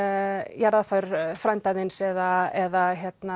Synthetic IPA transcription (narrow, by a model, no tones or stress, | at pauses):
jaɾðafaɾ̥fɾajmnt̪ajðɪnsɛðaɛðaçjɛt̪na